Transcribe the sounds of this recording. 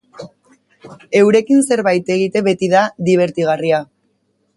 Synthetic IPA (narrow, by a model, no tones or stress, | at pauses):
e̞wɾe̞kinse̞ɾβajt̪e̞ɣ̞it̪e̞βe̞t̪iðaðiβ̞e̞ɾt̪iɣaria